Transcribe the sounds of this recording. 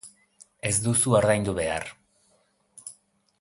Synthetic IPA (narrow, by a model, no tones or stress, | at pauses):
e̞zd̪usuaɾðajnd̪uβe̞a̰r